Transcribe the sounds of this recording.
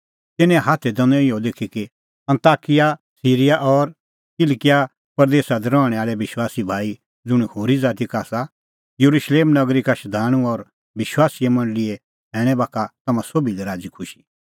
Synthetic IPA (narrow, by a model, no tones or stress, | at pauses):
t̪ɪnːɛ̃ɦaːt̪ʰɛd̪ɐ̃nõɪjod̪eːkʰiki | ɐ̃nt̪aːkɪja | siːɾɪjaʔɔɾ | kɪlkɪja | pɐɾd̪eːsad̪ɛɾɔːɽ̃ɛaːɭɛʋɪʃwaːsibʱaːi | d͡zʊɽ̃ihoːɾid͡zaːt̪ikaːsa | jɐɾuʃleːmnɐɡɾikaʃɐd̪ʱaːɽ̃ũɔɾ | bɪʃwaːsijemɐ̃ɳɖlɪe | ɦɛːɽ̃ɛbaːkʰat̪ɐmãsobilɛɾaːd͡zikʰʊʃi̥